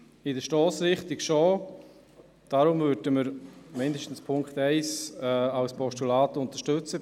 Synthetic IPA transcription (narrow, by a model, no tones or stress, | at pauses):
ɪdəʃtɔːsɾɪχtɪkʃɔː | d̥aɾʊmvʏd̥əməɾmɪndəʃtn̩spʰʊŋkχtɛɪsɛaʊspʰɔʃtulaːtʊnt̪əʃtɵt͡sə